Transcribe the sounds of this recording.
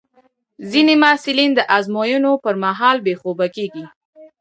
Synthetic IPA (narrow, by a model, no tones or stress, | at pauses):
zinemɑsɪlind̪əʔazmojunopəɾmaɦɑlbexobakeɡi